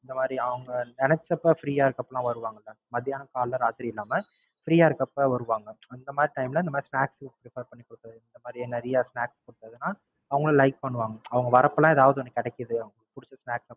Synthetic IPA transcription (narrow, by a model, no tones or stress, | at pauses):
ɪnd̪ɐmaːd̪ɾiɐʋɐŋɡɐɛnɛsɐpːofɾiːaːɪɾɯkːɐpːlãːʋɐɾɯʋaːŋɡɐɪlːɐmɐðɪjaːnɐkaːllɐɾaːt̪ɪɾiɪlːaːmɐ | fɾiːaːɪɾɯkːɐpːoʋɐɾɯʋaːŋɡɐɐnd̪ɐmaːd̪ɾiʈɐɪmlɐɪnɐmaːðiɾsnaːkspɾɪfɐɾpɐɳːikːɔɽɯk̪ːɐðɯɪnd̪ɐmaːd̪ɾiɛnːɐɾɪjaːsnaːkskɔɽɯt̪ːɐðɯnaː | ɐʋɐŋɡɐɭlɐɪk̚pɐɳːɯʋaːŋɡɐɐʋɐŋɡɐʋɐɾɐpːɐlãːɛðaːʋɐðɯɔnːɯkːɪɽɛkːɪðɯɐʋɐŋɡpʊɽɯt͡ʃːɐsnaːksɐ